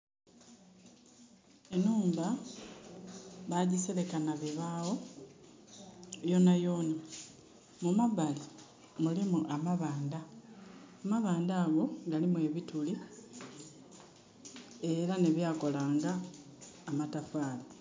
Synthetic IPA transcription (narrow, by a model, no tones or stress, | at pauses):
e̞nuːmba | βaɟisele̞kanaβiβawo̞ | jo̞najo̞ːna | mumaβali | mulimuʔamaβaːndaː | maβaːndaːɡo̞ɡalimwe̞ːβituli | e̞ɾaneβjaːko̞laːŋɡaː | matafaːla